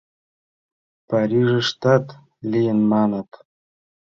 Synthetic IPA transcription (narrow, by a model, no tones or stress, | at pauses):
paɾiʐəʂt̪at̪ | lijənmaːnat̪